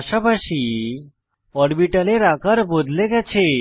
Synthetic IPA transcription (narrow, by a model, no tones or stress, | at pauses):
ʃabʱaʃi | ɔɽbiʈəleɾakəɾbod̪ʱleɡɛt͡ɕʰe